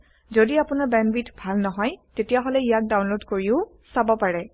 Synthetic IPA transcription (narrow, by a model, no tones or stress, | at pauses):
zodiapʊnaɹbɛnbitʰbʱalnɔɦɔjtetijaɦolɛijak̚dawnlodkoɹiʊ | sabɔpaɹɛ